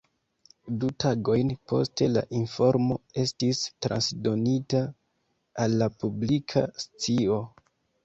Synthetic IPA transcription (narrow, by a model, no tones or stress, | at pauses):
dutʰaɡo̞jnpo̞̰ste̞la̰ʔinfo̞ɾmo̞e̞stistɾa̰nsdo̞nitaː | lːapublikʰast͡sio̞